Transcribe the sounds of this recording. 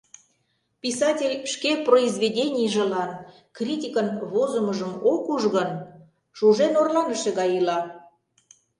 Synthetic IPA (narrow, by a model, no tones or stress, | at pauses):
pisɑtʲelʲʃkeproizβʲedʲenʲijʒĕlɑn | krʲitʲikənβozəməʒəmokuʒɣən | ʃuʒenorlɑnəʃeɣɑjɯlɑ